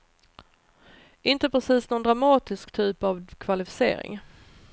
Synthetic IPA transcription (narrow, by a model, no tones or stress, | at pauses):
ɪnt̪əpɾɛsiːsnɔnd̪ɾamɑːt̪ɪskt̪ʰyːpavkʰvalɪfɪ̥sḛːɾɪ̰ŋ